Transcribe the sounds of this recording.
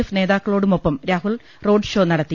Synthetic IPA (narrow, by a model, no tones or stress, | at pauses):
ifne̞ːðaːkːɐɭo̞ːɽumo̞pːɐmɾaːɦuɭ | ro̞ːɖʂo̞ːnɐɽɐt̪ːi